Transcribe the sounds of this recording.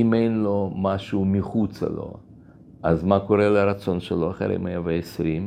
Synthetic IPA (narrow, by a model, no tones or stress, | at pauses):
imejnlomaʃuːmiχut͡sa̰lo̞̰ | ʔazmakoɾeleɾat͡so̞nʃeloaχḛɾḭmejaveesɾim